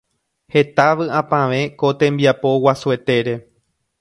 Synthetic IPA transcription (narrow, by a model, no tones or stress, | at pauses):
he̞t̪aʋɨãpãʋẽ̞ko̞t̪ẽ̞mbiapo̞wasue̞t̪e̞ɾe̞